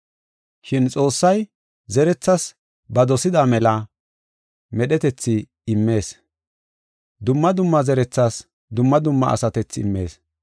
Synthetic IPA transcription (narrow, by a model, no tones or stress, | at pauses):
ʃɪnt͡sʼo̞ːsːɐj | zɛɾɛt͡sːɐs | bɐd̪ɔsɪd̪aːmɛlɐ | mɛɗɛt̪ɛt͡sːɪ | ɪmːe̞ːs | d̪ʊmːɐd̪ʊmːɐzɛɾɛt͡sːas | d̪ʊmːɐd̪ʊmːɐ̰ɐ̰sɐt̪ɛt͡sːɪɪ̰mːe̞̰ːs